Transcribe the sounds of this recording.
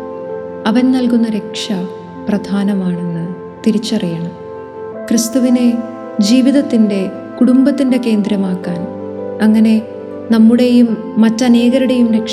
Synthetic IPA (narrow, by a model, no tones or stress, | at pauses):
ɐʋɐnnɐlkunːɐɾe̞kʂɐ | prɐd̪ʱaːnɐmaːɳe̞nːɨ | t̪iɾit͡ɕːɐrijɐɳɐm | krɨst̪uʋine | d͡ʑiːʋiðɐt̪ːinde̞ | kuɽumbɐt̪ːinde̞ke̞ːnd̪ɾɐmaːkːaːn | ɐŋːɐne̞ | nɐmːuɽe̞jumː | ɐtːɐne̞ːɣɐɾuɽe̞jumɾe̞kʂ